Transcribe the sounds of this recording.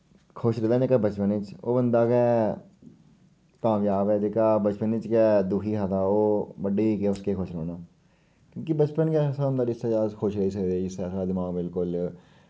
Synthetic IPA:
kʰʊʃɾeːd̪aːneːkabət͡ʃpənɪt͡ʃo̰ːbənd̪aːkɛː | kaːmjaːbɛːd͡ʒeːkaːbət͡ʃpənɪt͡ʃkɛːd̪uːkʰiːkaːt̪aːoːbəɖeːkɛːʊskekʰʊʃɾoːnaː | kjõːkibət͡ʃpənkɛːsaːʊnd̪aːɾɪst̪aːd͡ʒaːzkʰʊʃɾəis̬əkd̪eːd͡ʒɪstɛːsaːd̪ɪmaːɡbɪlkʊl

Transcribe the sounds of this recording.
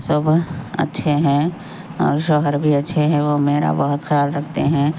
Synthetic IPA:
səbɐ̰tːʃʰeɦɛ̃ | ɔ̰ːɾʃəɦəɾbʱiɐtːʃʰeɦɛ̃ʋomeːɾa̰bəɦʊt̪xɐjaːlɾɐkʰt̪eɦɛ̃

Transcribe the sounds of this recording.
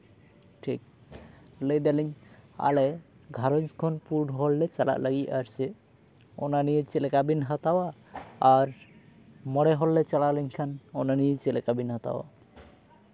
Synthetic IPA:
ʈʰik̚ | ləjd̪aliɲa̰lɛ | ɡʱaɾɔnskʰɔnpuɾɖɦɔlːɛt͡ʃala̰ʔlaɡiaɾsɛ | ɔ̰naniet͡ʃɛlɛkabinɦat̪awaː | ɾ | mɔɽɛɦɔlːɛt͡ʃalalɛɲkʰanɔnaniet͡ʃɛlɛkabinɦat̪a̰wa̰

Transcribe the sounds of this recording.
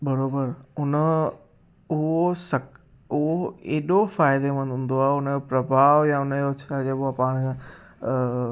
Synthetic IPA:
bɐɾoːbəɾʊnə | ʊɦosɐk | ʊɦoeːɗofaːɪd̪emə̃nʱũːn̆d̪oaːɦʊnəd͡ʑopɾɐbʱaːʋjãʊnjot͡ɕʰad͡ʑeɓoapaːɽ̃

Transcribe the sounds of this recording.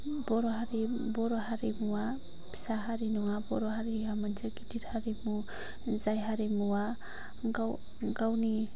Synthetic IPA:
bɔɾoɦaɾebɔɾoɦaɾemuwa | saɦaɾinɔwabɔɾoɦaɾiamant͡ʃʰaɡitiɾhaɾemu | zajɦaɾemuwa | ɡa | ɡawni

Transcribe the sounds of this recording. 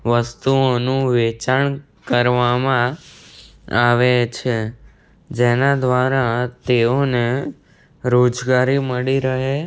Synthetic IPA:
ʋəst̪uonũʋet͡ʃaɳ | kəɾʋamã | aʋet͡ʃʰe | d͡ʒenad̪ʋaɾat̪eone | ɾod͡ʒɡaɾiməɽiɾəɦe

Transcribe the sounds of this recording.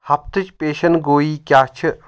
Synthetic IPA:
hɐp̚t̪ɨt͡ʃpeːʃɐnɡoːiːkʲjaːt͡ʃʰɨ

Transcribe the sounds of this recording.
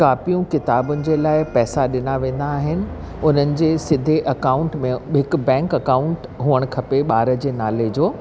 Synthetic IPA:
kaːfijũkɪt̪aːbʊnɪ̆d͡ʑeːlaːɪpɛːsaɗɪnaʋẽːn̆d̪aːɦɪnɪ̆ | ʊn̤ənɪ̆d͡ʑeːsɪd̪ʱeʔɐkaːʊ̃ɳʈmẽɦɪk̆bɛ̃ːŋkɐkaːʊ̃ɳʈɦuəɽ̃kʰɐpeɓaːɾəd͡ʑeːnaːled͡ʑoː

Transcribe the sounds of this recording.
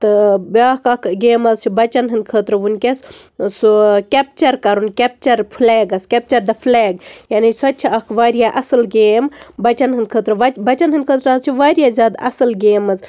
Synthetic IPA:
t̪ɨbaːhkɐkɡeːmɐzt͡ʃʰibɐt͡ʃɐnɦɨnd̪̚kʰəːt̪ɾɐʋunkʲessukʲep̚t͡ʃɐɾkɐɾunkʲep̚t͡ʃɐɾpʰuleːɡɐskʲep̚t͡ʃɐɾd̪ɐpʰleːɡjaːnisɐtːt͡ʃʰiɐkʰʋaːɾijaʔɐsɨlɡeːmbɐt͡ʃɐnɦɨnd̪kʰəːt̪ɾɨʋɐt͡ʃbɐt͡ʃɐnɦɨnd̪̚kʰəːt̪ɾaːzt͡ʃʰiʋaːɾjaːzʲjaːd̪ɐ̰sɐlɡeːmɐz

